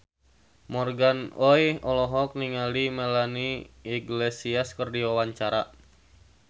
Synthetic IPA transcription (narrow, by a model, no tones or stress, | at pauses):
mɔrɡanɔjɔlɔɦɔk̚niŋalimelaniiɡlesiaskərdiwawaɲt͡ʃaɾa